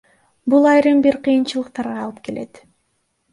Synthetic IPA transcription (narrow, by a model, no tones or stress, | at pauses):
bulˠɑjɾɯmbiɾqʰɯjɯnt͡ʃɯlˠɯq̚t̪ɑɾʁɑɑːlˠɯp̚ke̞lʔe̞t̪